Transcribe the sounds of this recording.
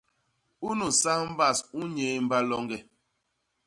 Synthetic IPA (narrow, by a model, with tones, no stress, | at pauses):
u˦nu˨sa˦m̩˦ba˦˨su˦ɲe˨˦m̩˦ba˦lɔ˦ŋɡɛ˦